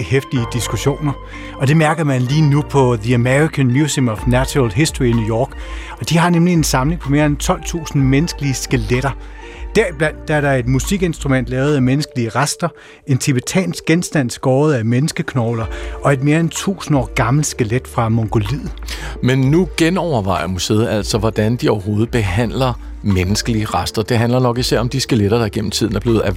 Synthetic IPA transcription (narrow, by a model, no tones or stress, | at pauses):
hefd̥iəd̥isɡ̥uɕo̝̰ːnɐ | ɒ̽d̥e̝mæɐɡ̥ɐmænliːnupʰɒ̽ðiæmeʁikʰænmjusimɒfnæɕlɦesd̥oʁinuːjɒ̰ːɡ̥ɒ̽d̥iɦɑ̈nemlie̝nsɑ̈mle̝ŋpʰɒ̽me̝ːɐent͡sʰɒ̽l̰t͡sʰṵːsn̩menəsɡ̥əliəsɡ̥eleɾ̥ɐd̥æɐib̥læn̰d̥ːɑæɐɾɑ̈e̝d̥musiɡ̥e̝nsd̥ʁumen̰d̥lɛːʊð̞̩ˠæmenəsɡ̥əliəʁasd̥ɐ | e̝nt͡sʰeb̥et͡sʰɛ̰ːnsɡ̥̚ɡ̥ensd̥æn̰sɡ̥ɒːð̞̩ˠæmenəsɡ̥əkʰnɒʊlɐɒ̽e̝d̥me̝ːɐent͡sʰṵːsn̩ɒ̰ːɡ̥ɑ̈ml̩sɡ̥eled̥fʁɑ̈mɒŋɡ̥o̝lið̰̩ˠmenːuɡ̥enɒʊ̰ɐʋɑ̈ɪ̰ɐmuseːð̩æl̰sɒ̽ʋɒd̥ænd̥iɒʊɐɦo̝ːð̞̩ˠb̥e̝ɦæn̰lɐ | menəsɡ̥əliəʁasd̥ɐd̥e̝ɦænlɐnɒ̽ɡ̥isæɐ̰ɒ̽md̥isɡ̥eleɾ̥ɐd̥ɑ̈ɡ̥en̰m̩t͡sʰið̞̰ˠn̩æɐ̥le̝ːð̩ˠæ